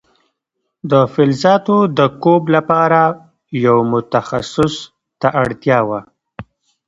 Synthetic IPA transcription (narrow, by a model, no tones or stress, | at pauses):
d̪əfɪlzɑt̪od̪əkoblapɑɾa | jawmʊt̪axasʊs | t̪aʔaɽt̪jɑwa